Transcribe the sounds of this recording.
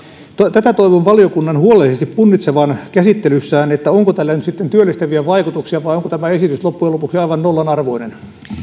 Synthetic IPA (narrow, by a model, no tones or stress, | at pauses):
t̪ot̪æt̪æt̪oiʋoʋʋɑlijokunːɑnhuolelːˑisest̪ippunːit̪seʋɑnkæsit̪ːelysːæːnet̪ːæoŋkot̪ælːænyt̪sit̪ːent̪yølːist̪æʋiæʋɑikut̪uksiɑʋɑioŋkot̪æmæesit̪yslopːujelopuksiɑiʋɑnnolːɑnɑrʋoinen